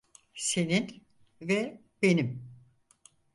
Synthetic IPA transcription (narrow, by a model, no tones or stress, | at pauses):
se̞nin | vɛ | be̞nim